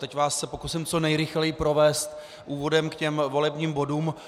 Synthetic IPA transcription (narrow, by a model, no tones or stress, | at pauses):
t̪ɛcvaːsːɛpo̞kusɪmt͡so̞nɛjɾɪxlɛjɪpɾo̞vɛːst̪ | ʔuːvo̞dɛmkcɛmvo̞lɛbɲiːmbo̞duːm